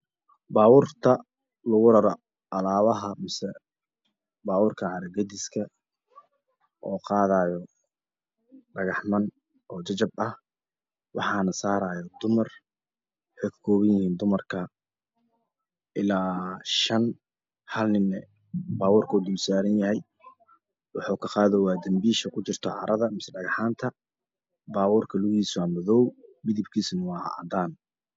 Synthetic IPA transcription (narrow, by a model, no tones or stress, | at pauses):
baːwʊːrt̪ʰɐ | lʊɣʊɾɐɾɔ | ʔɐlaːβɐɦɐmɪsɛ | baːwʊːrkʰɐʕɑɾɐɡɐd̪ɪskʰɐ | ʔɔːqɑːðaːjɔ | ɖɐɣɑħmɐn | ʔɔːt͡ʃɐt͡ʃɐbɐh | wɑħɑːnɐsaːɾaːjɔd̪ʊmɐr | ħɛkkʰɔːβɐnjɪhiːnd̪ʊmɐrkʰɐ | ʔɪlaːʃɐn | hɐlnɪnɛ | baːwɔːrkʰɐud̪ʊlsaːɾɐnjɐɦɛj | wɑħuːkʰɐqaːðɛwɑːd̪ɐmbiːʃɐkʰʊt͡ʃɪrt̪ʰɔʕɑ̰ɾʔɐðɐmɪsɛɖɐɣɑħaːnt̪ʰɐ | baːwɔːrkʰɐlʊɣiːswamɔðɔwmɪðɪbkʰiːsnɐwɑːhɐ̰ʔɑ̰d̪aːn